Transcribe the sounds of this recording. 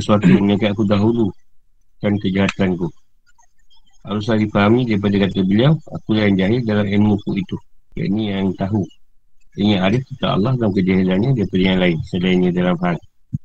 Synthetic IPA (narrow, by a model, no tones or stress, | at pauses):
əsuat̪ujaŋməɲakat̪akudaɦulu | kankəd͡ʒaɦat̪anku | a̰ɾus̬aɾifaɦamidaɾip̬adakat̪abəliawa̰kulaɪnd͡ʒaɦɪrdalamenmũkuit̪uja̰ʔnijaŋt̪aɦu | iŋaaɾɪfkit̪a̰ɑ̰lːɑhdankəd͡ʒaɦilanɲadaɾipadajaŋlaɪnsədainɲãdalamfaɦan